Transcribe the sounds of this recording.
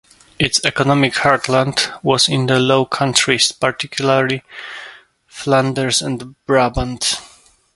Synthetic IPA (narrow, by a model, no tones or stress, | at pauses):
ɪtsɛkɔnɔmɪkhaɹtʰlãndwɔzɪ̃nd̪əloʊkʰãntʰɹispaɹtɪkʰjulaɹli | flãndəɹsɛ̃ndbɹabə̃nds